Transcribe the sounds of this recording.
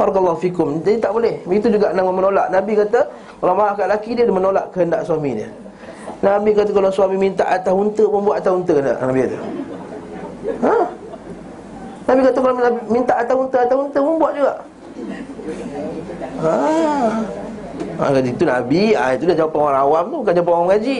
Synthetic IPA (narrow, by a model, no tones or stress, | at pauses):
baɾɑkəlːɑɦufikʊmd͡ʒadit̪aʔbolɛhit̪ud͡ʒuɡaʔnamamənolaʔnabikat̪a | kalamaɦaʔkaʔlakidiədəhmənolaʔkəhəndaʔsuamidiə | nabikat̪akalasuamimint̪a̰ʔat̪aunt̪əməmbuat̪at̪aunt̪əknda̰ʔnabikat̪u | ə | nabikat̪akalaamint̪aʔat̪aunt̪əat̪aunt̪əməmbuaʔd͡ʒuɡaʔ | ə | a̰kat̪it̪una̰bia̰it̪udad͡ʒawapanoaɾaŋawamt̪ubukand͡ʒawapanawamŋad͡ʒi